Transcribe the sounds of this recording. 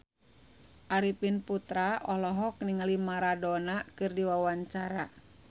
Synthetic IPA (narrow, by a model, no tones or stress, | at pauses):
ʔaɾipinput̪ɾaɔlɔɦɔk̚niŋalimaɾadɔnakɨrdiwawaɲt͡ʃaɾa